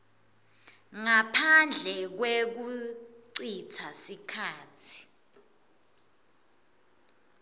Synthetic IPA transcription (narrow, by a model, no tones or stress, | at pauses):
ŋapʰand͡ɮʱɛk̬wek̬uǀǀitʰasikʰaːtʰi̥